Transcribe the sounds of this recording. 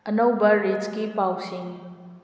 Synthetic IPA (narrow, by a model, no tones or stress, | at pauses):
ɐnɐwbɐɾid͡ʒkipawsiŋ